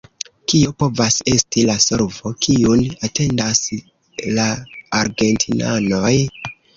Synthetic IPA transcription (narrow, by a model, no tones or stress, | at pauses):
kiopo̞vase̞stilaso̞ɾvo̞kʰiunate̞ndas | laːɾɡe̞ntʰina̰no̞j